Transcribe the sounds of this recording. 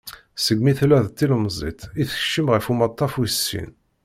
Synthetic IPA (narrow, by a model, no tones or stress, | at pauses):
səɡmiθlæðt̪ːilmzˤḭt̪ˤiθə̥ʃːəmʁəfumɑt̪ˤːɑfuəsːḭn